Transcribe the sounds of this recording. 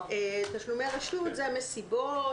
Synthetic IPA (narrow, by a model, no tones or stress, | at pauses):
et̪aʃlumeʁaʃut̪zeamesibo